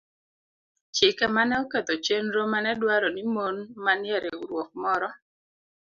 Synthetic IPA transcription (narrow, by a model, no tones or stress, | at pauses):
t͡ʃɪkɛmanɛɔket̪ot͡ʃenɾomanɛdwaɾɔnimonmanjɛɾeuɾwɔk̚mɔɾɔ